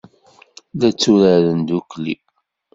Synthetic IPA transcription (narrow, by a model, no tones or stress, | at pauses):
ðæt͡sːuɾaɾənd̪uklḭ